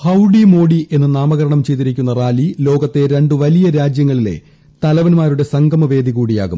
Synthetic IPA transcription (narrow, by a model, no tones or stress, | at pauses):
hɐwɖimo̞ːɽie̞nːɨnaːmɐɣɐɾɐɳɐmt͡ɕe̞jt̪ːiɾikʲːunːɐraːlilo̞ːɡɐt̪ːe̞ɾe̞ɳɖɨʋɐlijɐɾaːd͡ʑjɐŋːɐɭile̞̰ | t̪ɐlɐʋɐnmaːɾuɽe̞sɐŋɡɐmɐʋe̞ːd̪iɣuːɽija̰ːɣṵm